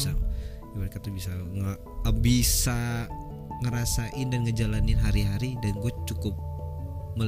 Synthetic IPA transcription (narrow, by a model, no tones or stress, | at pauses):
sa | jaməɾekat̪ubisaŋə | bisa | ŋəɾasaʔɪndanŋəd͡ʒalanɪnɦaɾiɦaɾidanɡuat͡ʃukʊp̚məl